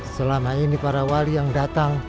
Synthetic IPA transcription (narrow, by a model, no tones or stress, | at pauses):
səlamainipaɾawalijaŋdat̪aŋ